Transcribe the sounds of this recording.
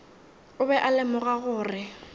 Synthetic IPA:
ʊbɛʔalɪmʊɣaɣʊːrɪ

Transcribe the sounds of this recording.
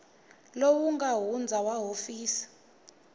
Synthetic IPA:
lowuŋɡaɦund͡zʱawaɦofiːsi̥

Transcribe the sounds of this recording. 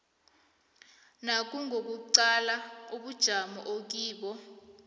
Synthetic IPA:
nak̬ʼuŋok̬uǀalauɓud̥ʒ̥ʱamɔʔok̬iːɓɔ

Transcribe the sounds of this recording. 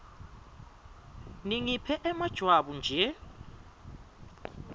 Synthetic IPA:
niŋipʰɛʔɛmad̥ʒ̥ʱwaɓund͡ʒʱɛ

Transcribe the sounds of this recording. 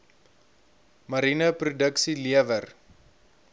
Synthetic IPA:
mɐɾinəprudəksiliəvər

